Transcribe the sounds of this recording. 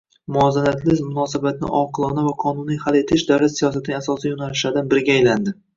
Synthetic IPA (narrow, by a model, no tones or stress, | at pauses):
mʊazalat̪ʰlɪzmʊnɒsabat̪nɪ̰ʔɒqʰɨlˠɒnavaqʰɒnʊnijhale̞t̪ʰɪʃd̪awlat̪sijɒs̬at̪ʰɪasɒsjonalɪʃlaɾd̪anbɪɾɡʲaːjland̪ɪ